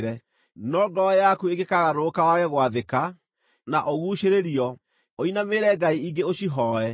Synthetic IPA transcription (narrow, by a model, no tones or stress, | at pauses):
ɾɛ | nɔɡɔjakueɡekaɣaɾokawaɣɛɣwaðeka | naʔoɣuːʃeɾeɾiɔ | oinameːɾɛɡaiiɡeoɕiɦɔɛ